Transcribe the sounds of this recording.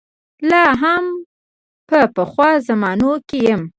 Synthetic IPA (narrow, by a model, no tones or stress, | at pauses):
lɑɦam | pəpəxwɑzamɑnokejəm